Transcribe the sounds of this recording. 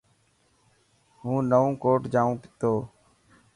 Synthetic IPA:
ɦũːnəʋõːkoːʈd͡ʒaːũːpɪt̪oː

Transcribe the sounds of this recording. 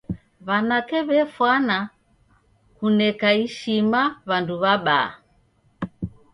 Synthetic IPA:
βanakɛβɛfwana | kunɛkaiʃimaβanduβaɓa̰ː

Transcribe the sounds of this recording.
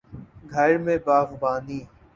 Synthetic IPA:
ɡʱəɾmẽːbaːʋbãːnd̪iː

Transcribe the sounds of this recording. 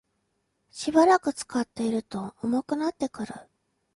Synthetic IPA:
ɕibaɾakɯ̟t͡sɨ̥kat̪ːe̞iɾɯ̟t̪o̞omo̞kɯ̟nat̪ːe̞kɯ̟ɾɯ̟

